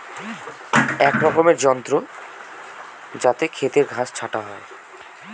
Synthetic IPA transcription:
ɛkɾɔkomeɾd͡ʑɔnt̪ɾo | d͡ʑat̪ekʰet̪eɾɡʱast͡ɕʰaʈaɦɔe

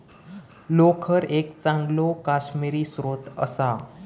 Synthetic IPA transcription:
lokʰəɾekt͡sãŋɡlokaɕmiɾiːsɾot̪ə̰sa

